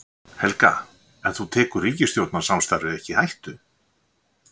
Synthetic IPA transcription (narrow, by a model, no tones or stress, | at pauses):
hɛlka̰ | ɛnθut̪ʰɛːkʏɾriːcɪst̪jowt̪nḁsamst̪ajɾðɪɛhcɪhajht̪ʏ